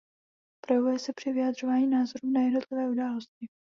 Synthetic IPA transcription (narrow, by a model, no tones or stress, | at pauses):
pɾojɛvujɛsɛpr̝̥ɪvɪjad̪r̝o̞vaːɲiːnaːzo̞ɾuːnajɛdno̞t̪lɪvɛːudaːlo̞scɪ